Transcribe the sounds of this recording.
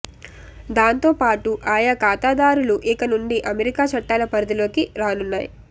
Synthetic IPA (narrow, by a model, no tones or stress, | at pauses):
d̪aːnt̪o̞ːpaːʈuʔaːjakaːt̪aːd̪aːɾuluʔikɐnuɳɖiʔɐmeɾikaːt͡ʃɐʈːaːlɐpɐɾɐd̪ulo̞ːkiɾaːnunːaːjḭ